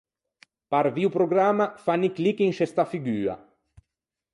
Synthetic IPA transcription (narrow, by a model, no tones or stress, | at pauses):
paɾviupɾoɡɾamːafaniklikiŋʃɛst̪afiɡyːa̰